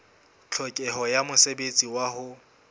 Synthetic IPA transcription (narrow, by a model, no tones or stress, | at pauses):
t͡ɬʰɔkʼɛɦɔjamʊsebet͡sʼiwaɦʊ